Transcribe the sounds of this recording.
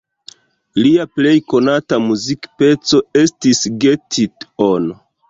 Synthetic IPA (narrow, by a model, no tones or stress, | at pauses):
liaple̞jko̞natamuzikpe̞t͡so̞e̞stisɡe̞tʰitono